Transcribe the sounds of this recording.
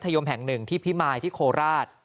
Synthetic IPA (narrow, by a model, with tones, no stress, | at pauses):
t̪ʰːa˧jo˧mɦɛ˨˩ŋnɯ˨˩ŋt̪ʰiː˥˩pʰi˦˥maː˧jt̪ʰiː˥˩kʰoː˧ɾaː˥˩t̪̚